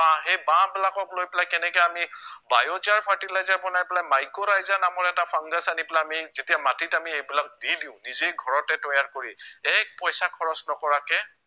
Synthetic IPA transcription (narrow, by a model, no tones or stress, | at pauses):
ãɦejbãbɛlakɔklojpɛlajkɛnɛkɛamibajotiaɹpʰaɹtilajzaɹbɔnajpɛlajmajkɔɹajzanamɔɹɛtapʰaŋɡasanipɛlajamizetijamatitamiejbilak̚didiʊ̃nizejɡʱɔɹɔtɛtɔjaɹkoɹiɛk̚pɔjsakʰɔɹɔsnɔkɔɹakɛ